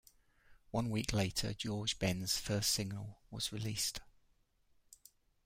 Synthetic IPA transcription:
wʌ̃nwiˑkleɪtʰə̰d͡ʒɔːd͡ʒbɛ̃nz̥fɜˑssɪɡ̚nə̰lˠwɒz̥ɹɪliˑst

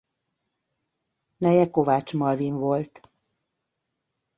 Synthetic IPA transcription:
nɛjɛko̞vaːt͡ʃmɒviɱvo̞lt̪

